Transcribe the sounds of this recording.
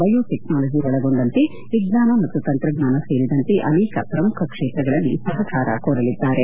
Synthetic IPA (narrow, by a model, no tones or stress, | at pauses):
bɐjoːʈeknaːlɐd͡ʒiɐɔɭɐɡo̞ɳɖɐnt̪e | ʋiɡnaːnɐmɐt̪ːut̪ɐnt̪ɾɐɡnaːnɐseːɾid̪ɐnt̪eʔɐnɛːkɐ̰pɾɐmukʰɐkʂeːt̪ɾɐɡɐɭɐlːisɐɦɐt͡ʃaːɾɐ̰koːɾɐlid̪ːaːɾe̞